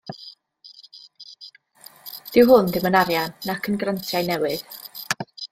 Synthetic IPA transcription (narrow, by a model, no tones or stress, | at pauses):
d̥ɪwɦʊndɪmənaɾjanːakʰənɡrantʰjajnɛwɨð